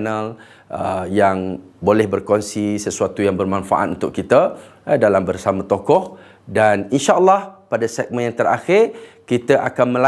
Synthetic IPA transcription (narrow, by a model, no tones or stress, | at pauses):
nal | ʔəjaŋ | bolɛhbərkɔnsisəsuat̪ujaŋbərmãnfa̰ʔa̰t̪̚unt̪ʊk̚kit̪ə | dalambərsamãt̪okɔh | daninʃaʔəlːɑhpadasɛk̚mə̃njaŋt̪əɾa̰xɪrkit̪əʔakanmə̃la